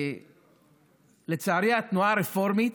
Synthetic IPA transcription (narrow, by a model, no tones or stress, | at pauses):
let͡saaɾiat̪nuaɾefo̞ɾmit̪